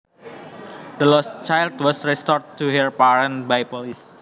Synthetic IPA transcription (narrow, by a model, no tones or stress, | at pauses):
d̪əlɔst͡ʃajldwɔsɹɛst̪ɔɾt̪ːuɦəɹpaɾə̃nbajpolis